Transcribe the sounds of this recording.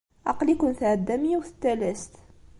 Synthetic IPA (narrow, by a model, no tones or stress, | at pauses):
ɑqlikʊnθʕəd̪ːæmiwθə̥t̪ːælæst̪